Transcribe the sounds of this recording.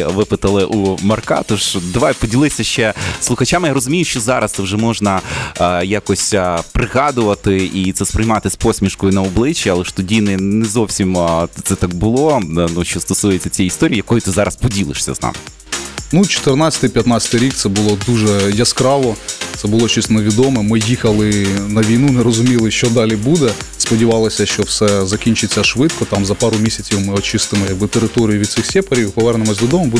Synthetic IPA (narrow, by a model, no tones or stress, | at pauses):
ʋɪpɪt̪ɐlˠɪʔumɐrkɑ̰t̪uʃd̪ɐʋajpɔdʲilˠɪsʲɐʃt͡ʃɛslˠʊxɐt͡ʃamjaɾɔzʊmʲijʊʃt͡ʃɔzɑɾɐst̪ɪwʒɛmɔʒnɐ | jakɔsʲpɾɪɣɑd̪ʊʋɐt̪ɪit̪sɛspɾɪjmɑt̪ɪspɔsʲmʲiʃkɔjʊnɐɔblˠɪt͡ʃːiɐlˠɛʃt̪ɔdʲinɪnɛzɔwsʲimt̪sɛt̪ɑk̚bʊlˠɔnuʃt͡ʃɔst̪ɔsujet͡sʲɐt͡sʲijist̪ɔɾʲijijɐkɔjʊt̪ɪzɑɾɐspɔdʲilˠɪ̰ʂsʲɐ̰znɑ̰mɪ | nut͡ʃɔ̥t̪ɪrnɑt͡sʲɐ̥t̪ɨɪjpʲjɐt̪nɑtsʲɐ̥t̪ɨɪɾʲik̚t̪sɛbʊlˠɔd̪uʒɛjɐskɾɑʋɔt̪sɛbʊlˠɔt͡ʃisʲt̪nɐʋʲid̪ɔmɛmɪjixɐlˠɪnɐʋʲijnunɛɾɔzʊmʲilˠɪʃt͡ʃɔd̪ɑlʲibud̪ɛspɔdʲiʋɑlˠɔsʲɐʃt͡ʃɔwsɛzɐkʲinʲt͡ʃɪt͡sʲːɐʃʋɪt̪̚kɔt̪ɑmzɐpɑɾʊmʲisʲɐt͡sʲiwmɪɔt͡ʃɪst̪ɪmɔjɐɡ̚bɪt̪eɾɪt̪ɔɾʲijʊʋʲid̪sɪxsʲɛpɐɾʲiwpɔʋɛrnemɔsʲd̪ɔd̪ɔmʊbu